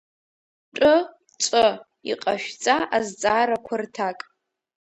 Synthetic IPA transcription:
ʈ͡ʂʼɨ | t͡ʃʷʼɨ | ḭqʼaʃᶣt͡sʼaʔazd͡zʼaːɾakʷʰʊrtʰakʼ

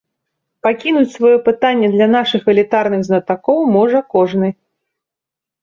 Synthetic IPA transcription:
pakʲinut͡sʲsvajɔpɨt̪anʲːɛd̪lʲɐnaʂɨxɛlʲit̪arnɨɣznɐt̪akɔwmɔʐɐkɔʐnɨ

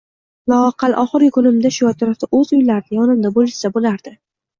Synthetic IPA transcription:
lˠɒaqʰɑlˠʔɒχɨɾʲkʰʊnɪmd̪aʃʊjɒt̪ʰʊɾaft̪aʔɵzʊjlaɾɪd̪ajɒnɪmd̪abolɪʃsabolaɾd̪̥ɪ

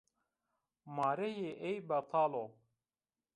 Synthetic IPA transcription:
mɑːɾejeʔejbɐt̪ʰɑːlo

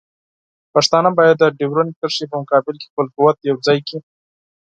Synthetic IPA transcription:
paʂt̪ɑnabɑjad̪ːəɖewɾonkəɾʃip̬əmʊkɑbɪlke̥xpəlqʊwat̪jawd͡zɑjki

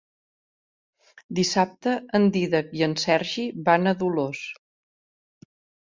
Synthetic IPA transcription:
d̪isap̚t̪əənd̪iðəkiənsɛɾʒiβanəðulos

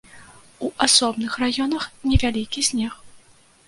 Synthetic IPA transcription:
uʔasɔbnɨxrajɔn̪ɐxnʲɛvʲalʲikʲisʲnʲɛx

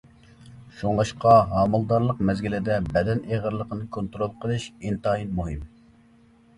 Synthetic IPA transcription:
ʃoŋlˠɑʃqɑɦɑːmɨlˠd̪ɑɾlˠəq̚mɛzɡʲilɪd̪ɛbɛd̪ɛneʁəɾlˠəqʰənɨkʰont̪ɾolˠqʰəlˠɨʃint̪ɑinmoɦɨm

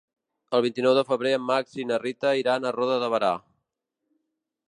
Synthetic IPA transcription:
əlˠβint̪inɔwðəfəβɾeəmːaksinərit̪əiɾanərɔðəðəβəɾa

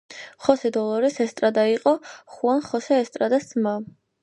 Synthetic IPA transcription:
χɔsɛd̪ɔlˠɔɾisɛst̪ʼɾad̪aiqʼɔχuanχɔsɛːst̪ʼɾad̪asma

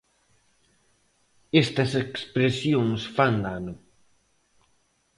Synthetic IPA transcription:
est̪ɐsekspɾesjõŋsfand̪anʊ

